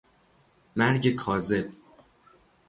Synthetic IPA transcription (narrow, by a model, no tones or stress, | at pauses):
mæɾɟe̞kʰɒːze̞b̥̚